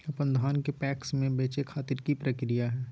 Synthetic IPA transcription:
ɐpənd̪ʱaːnkepɛːksmẽbeːt͡ʃekʰaːt̪ɪɾkipɾəkɾijaɦɛː

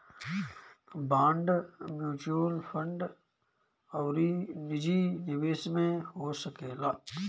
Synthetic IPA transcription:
bãːɳɖmjuːt͡ʃuəlfə̃ɳɖ | ɔːɾinɪd͡ʒinɪweːsmẽɦosəkeːlaː

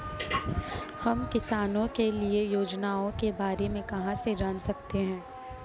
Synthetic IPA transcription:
hɐmkɪsaːnõkeliejoːd͡ʒnaːõkebaːɾemẽkɐɦãsed͡ʒaːnsɐk̚t̪eɦɛ̃ː

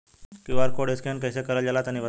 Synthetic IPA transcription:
kiʋaɾkoɽeskʰenkəjsekəɾəd͡ʑalat̪aniʋə

